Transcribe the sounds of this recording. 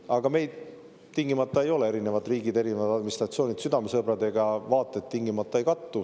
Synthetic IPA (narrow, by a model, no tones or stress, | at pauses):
ɑɡ̥ɑme̞jd̪̥ | t̪iŋɡ̥imɑt̪ˑːɑe̞jo̞le̞e̞ɾine̞vɑd̪riːɡid̪e̞ɾinevɑd̪̥ɑd̪minist̪rɑt̪sio̞ːnʲid̪̥syd̪ɑmesɤbɾɑd̪e̞ɡ̥ɑvɑːt̪ːˑe̞t̪ːiŋɡimɑt̪ːˑɑe̞jkɑt̪ːu